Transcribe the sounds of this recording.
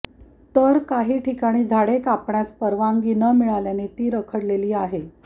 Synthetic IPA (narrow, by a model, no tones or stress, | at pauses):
t̪əɾkaɦiːʈikaɽ̃iːd͡zʱaɽekapɳjaspəɾʋaŋɡiːnəmiɭaljanet̪iːɾəkʰəɽleliːaɦe